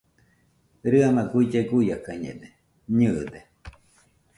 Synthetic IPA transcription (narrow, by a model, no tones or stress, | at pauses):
ɾɨanãkuid͡ʒeɡujakaɲḛ̃d̪e | ɲɨʔd̪e